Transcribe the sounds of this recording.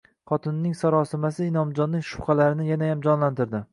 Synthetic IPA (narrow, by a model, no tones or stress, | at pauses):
qʰɒt̪ʰɪnːɪŋsaɾɒsɪmasɪɪnɒmd͡ʒɒnːɪŋʃʊ̥χɑlaɾɪnɪjanajamd͡ʒɒnlant̪ɪɾd̪ɪ